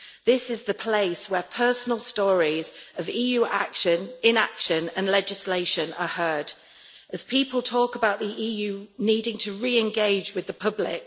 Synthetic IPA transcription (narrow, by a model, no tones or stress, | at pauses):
ðɪsɪzðəpʰl̥eɪswəpʰɜˑsənəlˠstɔːɹizəviːjʉːʔa̰kʃə̃nɪ̃na̰kʃə̃nə̃nlɛd͡ʒɪsleɪʃə̃nəhɜːd̥ | əz̥pʰiˑpəlˠtʰɔˑkəbaʊʔðiʔiːjʉːniːdɪ̃ŋtʰəɹiːɪ̃nɡeɪd͡ʒwɪðəpʰʌblɪ̰k̚